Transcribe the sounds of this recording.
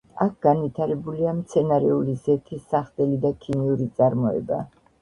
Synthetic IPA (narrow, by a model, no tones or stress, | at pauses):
ak̚ʰɡ̥anvit̪ʰaɾɛbuliamt̪sʰɛnaɾɛulizɛt̪ʰisaχt̪ʼɛlid̪akʰiniuɾit̪sʼaɾmɔɛ̰ba̰